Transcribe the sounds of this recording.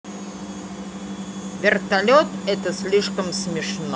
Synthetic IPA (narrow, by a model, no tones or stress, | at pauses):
vʲert̪alʲot̪ɛt̪əsʲlʲiʂkəmsmʲɪʂno